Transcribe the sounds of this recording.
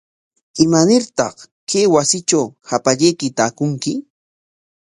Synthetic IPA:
ɪmanɪɾt̪ɑ̰χ | keːwasɪt͡ʃawhapaʎejkɪt̪aːkʊŋkɪ

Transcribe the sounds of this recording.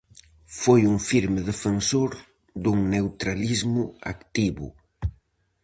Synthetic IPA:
fojuŋfiɾmeðefensoɾ | d̪uŋnewt̪ɾalizmʊa̰kt̪iβʊ̰

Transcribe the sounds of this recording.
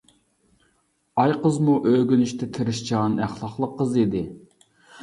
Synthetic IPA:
ɑjqəzmuʔøɡʲynyʃt̪ʰɛt̪ʰɪɾɪʃt͡ʃʰɑnæχlˠɑχlˠəqːəzid̪ɪ

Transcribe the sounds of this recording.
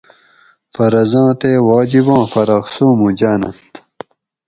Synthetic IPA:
fɐɾɐzɑ̃ːt̪ewɑːd͡ʑibɑ̃ːfɐɾɐqsuːmũd͡ʑaːnɐ̰nt̪

